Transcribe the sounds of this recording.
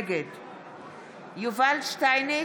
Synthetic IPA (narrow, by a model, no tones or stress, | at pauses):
ɡed | juvalʃt̪ajne